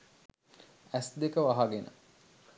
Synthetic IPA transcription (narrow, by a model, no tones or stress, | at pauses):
æsd̪ekəʋaɦaɡenə̰